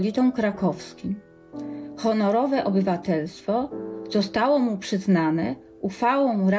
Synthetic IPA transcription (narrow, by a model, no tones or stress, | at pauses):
lʲit̪ɔ̃w̃kɾakɔfskʲim | xɔnɔɾɔvɛʔɔbɘvat̪ɛlst̪fɔzɔst̪awɔmupʂɘznanɛ | uxfawɔ̃w̃ɾa